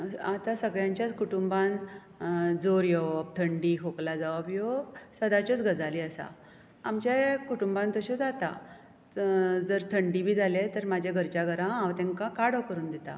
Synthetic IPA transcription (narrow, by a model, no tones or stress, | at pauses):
at̪asəɡɭjãɲt͡ɕjat͡skuʈumban | d͡zoɾjɔb̚t̪ʰəɳɖikʰoklad͡zaʋabjosəd̪at͡ɕɔt͡sɡʱəd͡zaliəsa̰ | amt͡ɕjakuʈumbãnt̪oɕɔd͡zat̪a̰ | d͡zəɾt̪ʰəɳɖibʱiːd͡zʱalet̪əɾmad͡ʑʱaɡʱəɾt͡ɕaɡəɾããʋt̪ɛ̃ŋkakaɽokəɾuːnd̪et̪a̰